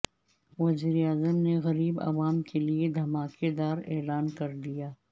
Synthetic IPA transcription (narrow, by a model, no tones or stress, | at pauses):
ʋɐziːɾiaːzəmneɣɐɾiːbɐ̰ʋaːmkelied̪ʱɐmaːked̪aːɾɛːlaːnkɐɾd̪ijaː